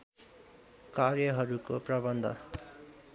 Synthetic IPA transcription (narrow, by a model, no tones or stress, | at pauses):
karjʌɦʌɾukoprʌbʌnd̪ʱʌ̰